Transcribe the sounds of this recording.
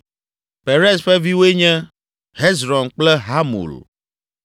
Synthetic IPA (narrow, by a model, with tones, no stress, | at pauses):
pe˨ɾe˦sɸɛ˦vi˦wo˦e˦ɲɛ̃˦ | ɦe˦zɾɔ̃˨nk͡plɛ˦ɦa˦mṵ˨l